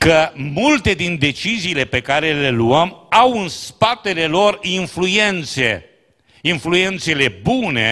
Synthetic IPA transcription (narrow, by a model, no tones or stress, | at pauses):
kəmult̪e̞d̪ind̪e̞t͡ʃiziːle̞pe̞kaɾe̞le̞luəmawɨnspat̪e̞le̞lo̞rinflue̞nt̪se̞ | influe̞nt̪se̞le̞bune̞̰